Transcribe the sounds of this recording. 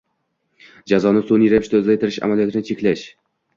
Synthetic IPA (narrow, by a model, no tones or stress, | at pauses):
d͡ʒazɒnɪsoniɾaɪʃd̪azajt̪ʰɪɾɪʃa̰malijɒt̪ʰɪnɪt͡ʃʰe̞kʲlaʃ